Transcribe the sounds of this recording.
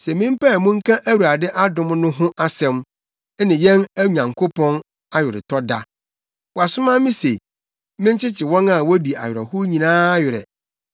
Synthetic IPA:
sɛ˨mɪ̃˦m̩˦pɛ˦˨mʊ̃˦ŋ̩˦kʰã˦ʔæ˦wu˨ɾa˨dɛ˦ʔa˦dʊ̃˨mnʊ̃˦ɦʊ̃˦ʔa˦sɛ̃˨m˦ | nɪ̃˨jɛ̃˦næ˦ɲã˨ŋkʰo˦pʰɔ̃˦n | a˦ɥɪ˨ɾɪ̰˨tʰɔ˦da˦ | wɔ˨a˨sʊ˦mã˦mɪ̃˦se˨ | mɪ̃˦ɲ˦t͡ɕʰɪ˦t͡ɕʰɪ˨wɔ̃˦na˦˨wɔ˦di˨a̰˨ɥɪ˨ɾɛ̰˨hʊ˦ɲĩ˨nãː˦a˦jɪ˨ɾɛ̰˨

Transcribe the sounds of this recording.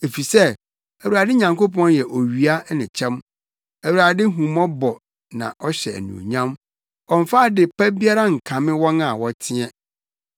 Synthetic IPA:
e˨fi˨sɛ˦ | æ˨wu˨ɾa˨dɪ˦ɲã˨ŋko˦pʰɔ̃˦njɛ˨ʔo˨ɥi˨a˦nɪ̃˨t͡ɕʰɛ̃˦m | æ˨wu˨ɾa˨dɪ˦ɦũ˨mɔ̃˦bɔ˨ | nã̰˨ʔɔ˦ɕɛ˨æ̰˨nṵ̃˨ɲã˦m | ɔ̃˨ɱ˨fa˦˨dɪ˨pæ˦bi˦a˦ɾa˦ŋ̩˨kʰã˨mɪ̃˦wɔ̃˦na˨wɔ˦tʰɪ̃˦ɛ̃˦

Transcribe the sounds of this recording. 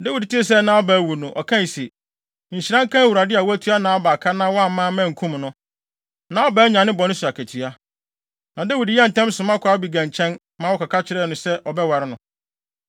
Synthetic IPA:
dɛ˦wi˨dtʰi˦e˦˨s̬ɛ˦nã˨˦ɔ˦bæː˨˦wu˨nʊ̃˨ʔɔ̰˨kʰã˦˨se˨ | ɲ̩˨ɕɪ˨ɾã˦ŋ̩˦kʰã˦wu˨ɾa˨dɪ˦a˨wɔ˦æ˦tʰu˨˦a˦nãː˨˦ɔ˦ba˨kʰa˦nã˦wɔ˦a˦˨m˦mãː˦mæ̃˦˨ŋ̩˨kʰũ˦mnʊ̃˦ | nã˨ɔ˦bæː˨˦ɲã˨nɪ̃˦bɔ˨nʊ̃˦su˨a˨kʰæ˨tʰi˨a˦ | nã˨de˦wi˨djɛ˦n̩˨tʰɛ̃˦m˦sʊ̃˨mã˦kʰa˦bi˨ɡã˨ɲ˨t͡ɕʰɛ̃˦n | mã˦wɔ˦kʰa˨kʰa˦t͡ɕʰɪ˨˦ɾɛː˦˨nʊ̃˨sɛ˦ʔɔ˨bɛ˦wa˨ɾɪ˦nʊ̃˨

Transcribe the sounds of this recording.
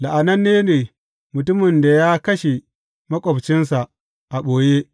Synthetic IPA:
la˨ʔa˨nɐ˦nːeː˦neː˨ | mʊ˨tʊ˦mɪ˨nda˨ja˦kɐ˦ʃe˨ | mɐ˦kʷʼɔ˨bt͡ʃɪ˦nsa˨ʔ | ʔa˨ɓoː˨je˦

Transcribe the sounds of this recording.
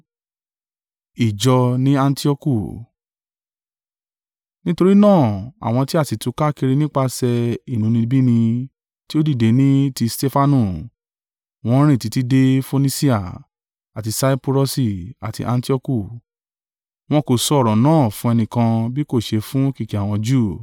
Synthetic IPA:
i˨d͡ʒɔ˧nĩ˦a˧n˦ti˦ɔ˦ku˦˨ | nĩ˦to˧ɾi˦nãː˦˨a̰˨w̃ɔ̃˧ti˦a˦˨ti˨tũ˨˧ka˦ki˧ɾi˧nĩ˦k͡pa˧sɛ˧i˦˨nũ˨˦nĩ˧bi˦nĩ˧ | ti˦o˦di˦˨de˨˦nĩ˦ti˧ste˦fa˧˦nũ˨ | w̃ɔ̃˦ɾ̃ĩ˦˨ti˨˧ti˦de˦fo˧nĩ˦si˦a˦˨ | a˨ti˧sa˦i˦pu˧ɾɔ˧si˨a̰˨tḭ˧ʔa˧n˦ti˦ɔ˦ku˦˨ | w̃ɔ̃˧˦ko˨sɔ˧ɔ˦˨ɾɔ̃˨nãː˦˨fũ˦ɛ˧nĩ˧kã˧bi˦ko˦˨ʃe˧fũ˦ki˦˨ki˨a˦˨w̃ɔ̃˧d͡ʒuː˦˨

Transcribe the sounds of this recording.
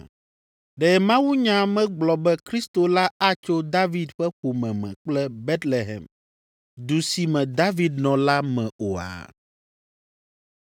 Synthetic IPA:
ɖɛ˨˦mã˦wu˦ɲã˨mɛ̃˦ɡ͡blɔ˨bɛ˦kɾi˦st̪o˨la˦a˦t͡ʃo˦d̪a˦vi˨d̪ɸɛ˦xo˨mɛ̃˨mɛ̰̃˨k͡plɛ˦bɛ˦t̪le˨ɦɛ̰˨m | d̪u˨si˨mɛ̃˨d̪a˦vi˨d̪nɔ̃˨la˦mɛ̃˨o˨a̰˨

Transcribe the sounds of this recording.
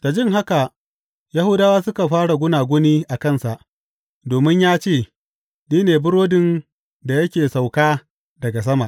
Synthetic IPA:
ta˨d͡ʒɪ˦ŋɦa˦ka˨ | ja˦hʊ˦daː˦waː˦sʊ˦ka˨ɸaː˦ɽa˨ɡʷʊ˦naː˨ɡʷʊ˦niː˦ʔa˨kɐ˦˨nsa˨ʔ | doː˨mɪ˦ɲjaː˦t͡ʃeː˦˨ | niː˦neː˨bʊ˦ɽoː˦dɪ˨n | da˨jɐ˦kʲeː˨sa˨wkaː˦ | dɐ˨ɡa˨s̬ɐ˦ma˨ʔ

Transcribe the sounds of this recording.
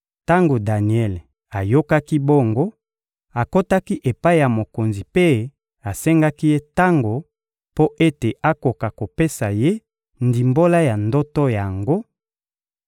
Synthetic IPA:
ta˦ŋɡo˨da˨ni˨ɛ˦˨l | a˨jo˦ka˦ki˦bo˦ŋɡo˦ | a˨ko˦ta˦ki˦ʔe˨pa˦i˦ja˨mo˨ko˨nzi˨pe˦ | a˨sɛ˦ŋɡa˦ki˦je˦ta˦ŋɡo˨ | po˦ʔe˦te˨ʔa˦ko˨ka˨ko˨pe˦sa˨je˦ | ndi˨mbo˦la˦ja˨ndɔ˦tɔ˦ja˨ŋɡo˦

